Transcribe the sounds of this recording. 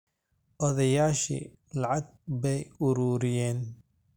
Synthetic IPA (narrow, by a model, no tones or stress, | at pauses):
ʔɔðɐjaːʃḭ | lɑʕɑɡ̚bɛjʊɾuːɾɪjɛːn